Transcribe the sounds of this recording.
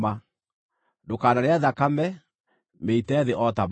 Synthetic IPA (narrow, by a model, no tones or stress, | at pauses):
ma | dokaːnaɾeaðakamɛ | meitɛðeʔɔtam